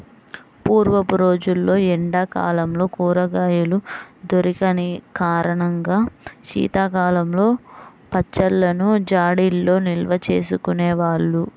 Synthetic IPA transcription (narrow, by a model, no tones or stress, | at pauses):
puːɾʋɐpuɾo̞ːd͡ʒulːo̞ːɛɳɖaka̰ːlɐmlo̞ːkuːɾɐɡaːjulud̪oɾikɐnikaːɾɐɳɐŋɡaːt͡ʃḭːt̪aːkaːlɐmlo̞ː | pɐt͡ʃːɐɭːɐnud͡ʒaːɽilːo̞ːnilʋɐt͡ʃe̞̰ːsukuneːʋaːɭːu